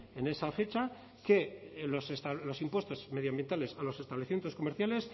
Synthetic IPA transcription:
ene̞safe̞t͡ʃa | ke̞losest̪alo̞simpwe̞st̪o̞zme̞ð̞joambje̞nt̪ale̞salo̞se̞st̪aβleθimje̞nt̪o̞sko̞me̞ɾθjale̞s

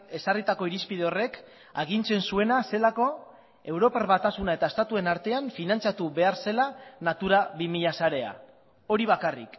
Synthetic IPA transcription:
e̞sarit̪akoiɾispið̞eo̞re̞k | aɣ̞int͡se̞nsue̞nase̞lako̞ | e̞wɾo̞paɾβat̪asunaet̪ae̞st̪at̪ue̞naɾt̪e̞aɱfinant͡sat̪uβe̞aɾse̞lanat̪uɾaβimiʎasaɾe̞a̰ | o̞ɾiβ̞akarḭk

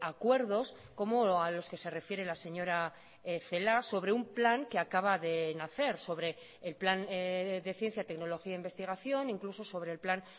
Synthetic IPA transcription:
akwe̞ɾðo̞s | ko̞moalo̞ske̞se̞re̞fje̞ɾelase̞ɲo̞ɾa | θe̞laso̞βɾe̞umplaŋke̞akaβ̞aðe̞naθe̞ɾso̞βɾe̞ː | lplanðe̞θje̞n̟θjat̪e̞kno̞lo̞xiaimbe̞st̪iɣ̞aθjo̞niŋkluso̞so̞βɾe̞ːlplaŋ

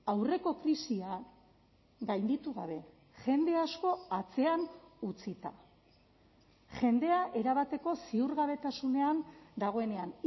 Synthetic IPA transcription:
awre̞ko̞kɾisia | ɡajnd̪it̪uɣa̰β̞e̞ | ʝe̞nd̪e̞asko̞at͡se̞anut͡sit̪a̰ | ʝe̞nd̪e̞aʔe̞ɾaβat̪e̞ko̞siuɾɣaβe̞t̪asune̞and̪aɣ̞o̞e̞ne̞an

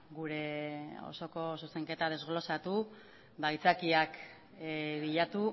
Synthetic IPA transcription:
ɡuɾe̞o̞̰so̞ko̞suse̞ŋke̞t̪að̞e̞zɣlo̞sat̪u | bajt͡sakiak | βiʎat̪u

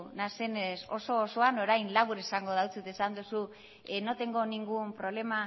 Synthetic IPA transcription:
nase̞neso̞so̞ːso̞ano̞ɾajnlaβuɾesaŋɡo̞ð̞awt͡sut̪esand̪usu | eno̞t̪e̞ŋɡo̞niŋɡumpɾo̞βle̞ma

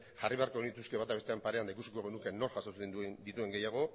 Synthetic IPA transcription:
ʝariβe̞aɾko̞ɣind̪it̪uskeβat̪aβt̪eampaɾe̞and̪aikusikoɣe̞nuke̞no̞ɾʝasosed̪it̪ue̞ŋɡe̞jaɣ̞o̞

